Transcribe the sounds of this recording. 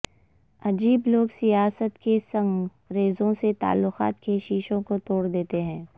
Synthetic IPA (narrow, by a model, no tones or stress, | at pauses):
ɐd͡ʒiːbloːɡsijaːsət̪kesɐ̃ŋ | ɾeːzõset̪a̰ːlːʊqa̰ːt̪keʃiːʃõkot̪oːɽd̪eːt̪eɦɛ̃ː